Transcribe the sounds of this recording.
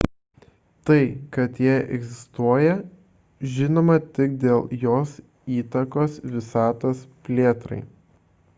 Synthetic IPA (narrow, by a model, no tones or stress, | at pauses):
t̪ɐɪkɐt̪jiɛʔɛɡzʲɪst̪uɔjɛ | ʒʲɪnoːmɐt̪ʲɪk̚d̪ʲeːlˠjoːs | iːt̪ɐkoːsʋʲɪsɑːt̪oːspʲlʲeːt̪ɾɐ̰ɪ